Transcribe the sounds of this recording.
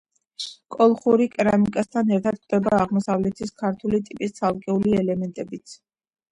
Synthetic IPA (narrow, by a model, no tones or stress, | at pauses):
kʼɔlˠχuɾikʼɾamikʼast̪ʰanɛɾt̪ʰat̪̚kʼd̪̥ɛbaːʁmɔsavlɛt̪ʰiskʰaɾt̪ʰulit̪ʼipʼist̪sʰalˠkʼɛuliɛlɛmɛnt̪ʼɛbit̪sʰ